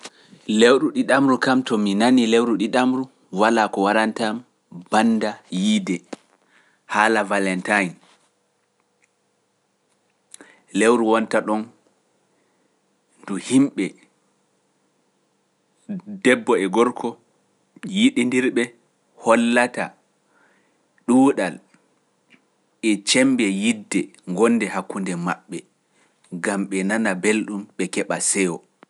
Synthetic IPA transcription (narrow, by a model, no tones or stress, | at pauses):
lewɗuɗiɗamɾukamtɔminanilewɾuɗiɗamɾu | walakɔwaɾantam | b̥andajiːdɛ | haːlavalɛntajn | lewɾuwɔntaɗɔn | nduhimɓɛ | dɛbːɔɛɡɔɾkʰɔ | jiɗindiɾɓɛ | hɔlːata | ɗuːɗal | ɛt͡ʃɛmbɛjidːɛŋɡɔnːdɛhakːundɛmaɓːɛ | ɡamɓɛnanabelɗumɓɛkɛɓasɛwɔ